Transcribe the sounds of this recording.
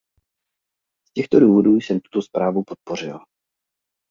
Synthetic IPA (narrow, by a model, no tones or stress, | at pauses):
scɛxt̪o̞duːvo̞duːjsɛmt̪u̥t̪o̞spɾaːvupo̞t̪̚por̝ɪl